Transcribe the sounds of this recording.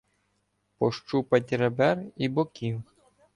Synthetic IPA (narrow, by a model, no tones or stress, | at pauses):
pɔʃt͡ʃupɐtʲɾɛbɛribɔkʲiw